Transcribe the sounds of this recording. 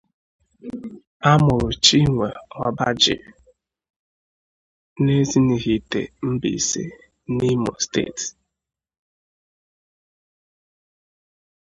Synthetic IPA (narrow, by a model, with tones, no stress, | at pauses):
a˦mʊ˨ɾʊ˨t͡ʃi˦ŋʷe˨ɔ˨ba˦d͡ʒɪ̰˨ | ne˦zi˦ni˨ɣi˨tḛ˨m̩˦bḭ˨sḛ˦ | ni˦mo̰˨stḛ˦˨t